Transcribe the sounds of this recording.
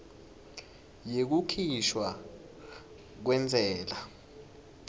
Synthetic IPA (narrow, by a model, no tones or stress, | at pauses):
jek̬ukʰiʃwa | k̬wɛnd͡zʱɛːla